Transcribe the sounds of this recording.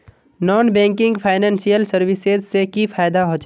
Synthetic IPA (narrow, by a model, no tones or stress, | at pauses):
nɔːnbɛ̃ːŋkɪ̃ŋɡpʰaːɪnɛ̃ːnsijəlsəɾwɪsezsekifʰaːjd̪aɦoːt͡ʃ